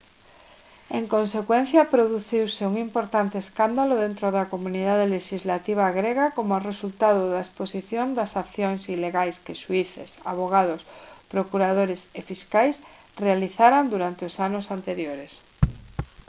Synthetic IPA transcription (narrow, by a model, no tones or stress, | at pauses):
eŋkõnsekwẽnθjɐpɾoðuθiwseuŋimpoɾt̪ant̪eːskand̪aloðent̪ɾoðakomuniðaðeleʃizlat̪iβ̞aɣɾeɣakomʊaresult̪aðoðaesposiθjond̪ɐsakθjoŋsileɣajskeʃuiθḛsa̰βoɣ̞að̞ospɾokuɾað̞oɾesefiskajs | realiθaɾand̪uɾant̪eosanosant̪eɾjoɾes